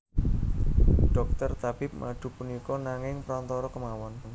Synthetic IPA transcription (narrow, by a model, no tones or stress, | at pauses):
ɖ̥ɔ̤k̚t̪ərt̪ab̥ɪp̚mə̰ləɖ̪̥ṳpunikɔnaŋɪŋpɾɔnt̪ɔɾɔkəmawɔnn